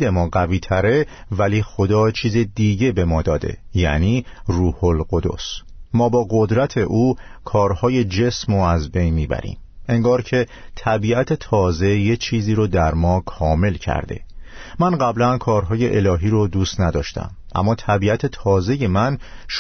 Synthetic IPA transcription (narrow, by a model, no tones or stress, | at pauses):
d̪emɒːɢæviːt̪ʰæɾe̞væliːxo̞d̪ɒːt͡ʃʰiːzed̪iːɟe̞be̞mɒːd̪ɒːd̪e̞̰jæ̰niː | ruːholɢo̞d̪o̞̰s | mɒːbɒːɡo̞d̪ɾæt̪ʰe̞ʔuːkʰɒːɾhɒːje̞d͡ʒe̞smoæzbe̞jnmiːbæ̰ɾḭːm | e̞ŋɡɒːɾcʰe̞t̪ʰæbiːæt̪ʰe̞t̪ʰɒːze̞je̞t͡ʃʰiːziːɾod̪æɾmɒːkʰɒːme̞lcʰæ̰ɾd̪e̞̰mænɢæblænkʰɒːɾɦɒːje̞ʔelɒːɦiːɾod̪uːst̪næd̪ɒ̰ːʃt̪æ̰m | ʔæ̰mːɒːt̪ʰæbiːæt̪ʰe̞t̪ʰɒːze̞je̞mænʃ